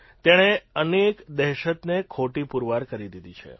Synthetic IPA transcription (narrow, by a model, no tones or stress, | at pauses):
t̪eɽ̃eənekd̪ɛɦʃət̪nekʰoʈipuɾʋaɾkəɾid̪id̪it͡ʃʰḛ